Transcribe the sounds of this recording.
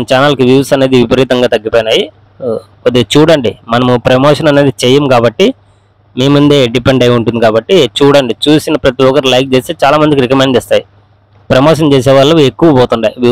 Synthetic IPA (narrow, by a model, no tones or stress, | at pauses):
ɐnɐt͡ʃaːnɐlkiʋjuːsɐne̞ːd̪iʋipɐɾiːt̪ɐŋɡaːt̪ɐɡːipoːjinaːji | ɐd̪et͡ʃuːɽɐɳɖimɐnɐmupɾemoːʂɐnɐne̞ːd̪it͡ʃɛjːɐmkaːbɐʈːi | miːmund̪e̞ːɖipeɳɖɐjuɳʈund̪ikaːbɐʈːit͡ʃuːɽɐɳɖit͡ʃuːsinɐpɾɐt̪iɔkɐɾlɐjk̚t͡ʃeːst̪eːt͡ʃaːlaːmɐnd̪ik̬iɾikɐmeɳɖd͡ʒɛːst̪aːji | pɾemoːʂ̬ɐnt͡ʃɛːs̬ɛːʋaːɭːɐekːuʋɐpɔːt̪uɳɖaːjiʋju